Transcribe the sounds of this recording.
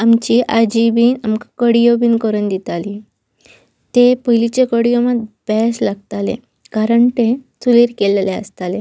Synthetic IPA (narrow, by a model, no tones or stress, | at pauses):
amt͡ɕiːʔad͡ʑibiːnamkakəɽijobiːnkəɾund̪it̪ali | t̪epəɦilit͡ɕekəɽijomad̪̚b̥ɛslaɡ̚t̪alḛ | kaɾəɳt̪esuliɾkelleə̰st̪ale